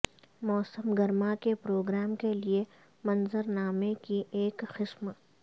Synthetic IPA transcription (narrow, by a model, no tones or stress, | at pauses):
mɔːsəmɡɐɾmakepɾoːɡɾaːmkelie | mɐnzəɾnaːmekiʔeːkxɪsm